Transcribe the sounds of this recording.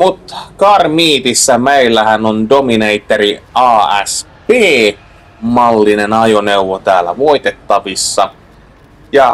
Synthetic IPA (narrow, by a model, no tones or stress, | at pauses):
mut̪kɑːrmiːt̪isːæmeilːæhænondomineit̪ːeɾiɑːæ̰s | peː | mɑlːinenɑjoneuʋot̪æːlːæ̰ʋoit̪et̪ːɑʋisːɑ | jɑ